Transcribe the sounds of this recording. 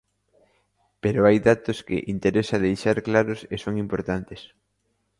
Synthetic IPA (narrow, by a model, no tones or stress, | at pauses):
peɾoajðat̪oskɪ̰ʔint̪eɾesɐðejʃaɾklaɾʊsesoŋimpoɾt̪ant̪es